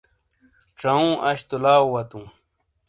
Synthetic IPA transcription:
ʈ͡ʂɐũːʔɐɕt̪ulaːwwɐt̪ũː

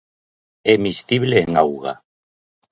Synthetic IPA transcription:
emisθiβleːŋawɣa̰

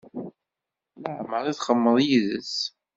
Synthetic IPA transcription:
ləʕməɾˤiθχəmːəðˤjiðəs

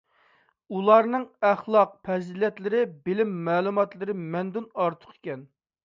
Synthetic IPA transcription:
ulˠɑɾnɨŋæχlˠɑq̚pʰɛzilɛt̪lɪɾɪbɪlɪmːæːlˠumɑt̪lˠɨɾɪmɛnd̪unɑɾt̪ʰə̥qʰe̥kʲɛn

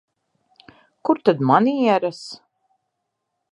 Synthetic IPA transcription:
kuɾt̪ad̪maniiɛɾas

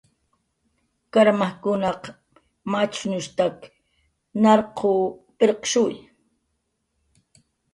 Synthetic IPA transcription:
kaɾmahkʊnɑq | mat͡ʃnʊʃt̪ak | nɑɾqʰopʼeɾqʃʊj

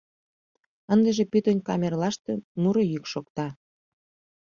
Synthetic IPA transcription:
ənd̪əʒĕpyt̪onʲkɑmʲerlɑʃt̪enuɾojykʃokt̪ɑ

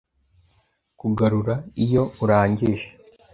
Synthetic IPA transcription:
kuɡaɾuɾaijo̞uɾaːɲɟiʒe̥

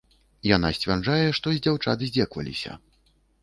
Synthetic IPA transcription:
jana̰sʲt͡sʲvʲard͡ʐajɛʂt̪ɔzʲd͡zʲawt͡ʂa̰t̪ɨzʲd͡zʲɛkvɐ̰lʲḭsʲɐ̰

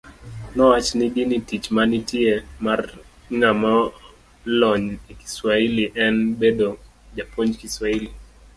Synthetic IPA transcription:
nɔat͡ʃniɡinitit͡ʃmanitiemar | ŋamɔ | lɔɲeki̥swailiʔɛnbedo | d͡ʒapoɲkiswaili

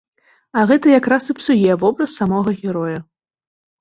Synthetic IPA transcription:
ɐɣɛt̪ɐjakɾasɨpsujɛvɔbɾɐsːamɔɣɐɣʲɛɾɔju

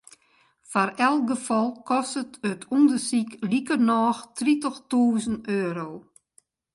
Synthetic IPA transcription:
farɛlˠɡəfɔlˠkɔstətətʰundərsiklikərnɔːxtritəxtuːzənøːɾow

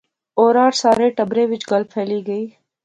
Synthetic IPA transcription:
oːɾaːɾsaːɾeːʈɐbɾeːʋɪt͡ʃɡɐlbfʰeːliːɡəiː

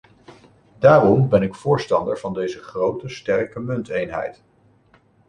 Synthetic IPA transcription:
daːrɔmbɛnɪkfʊːɹstɑndəɹv̥ɑndejzəχrowtəstɛɹkəmɵntejnɦɛ̰jt

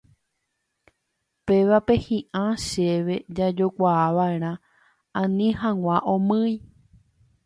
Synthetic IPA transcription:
peʋape̞hĩʔãʃeʋe̞d͡ʒad͡ʒo̞kʷaaʋae̞ɾ̃ã | ãnĩɦãŋʷãʔõmɨ̃j

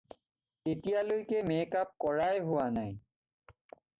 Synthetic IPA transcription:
etijalojkemekap̚kɔɹajɦʊwanaj

